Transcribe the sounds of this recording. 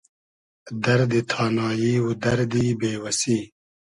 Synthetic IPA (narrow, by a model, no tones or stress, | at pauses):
d̪ɐɾd̪it̪ʰɑːnɑːjiwud̪ɐɾd̪ibeːwɐsiː